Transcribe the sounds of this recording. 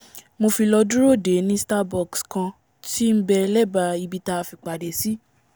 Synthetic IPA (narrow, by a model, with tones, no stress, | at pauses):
mo˧fi˧lɔ˧du˦ɾo˦˨de˨˦nĩ˦sta˦˧bɔ˨kskã˧ | ti˦n̩˦bɛ˧lɛ˦ba˧i˧bi˧ta˧fi˧k͡pa˨de˨si˨˦